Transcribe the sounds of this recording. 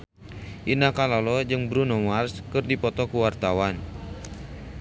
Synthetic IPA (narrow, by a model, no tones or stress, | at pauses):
ʔinakalalɔd͡ʒɨŋbɾunɔmarskɨrdipɔt̪ɔkuwart̪awan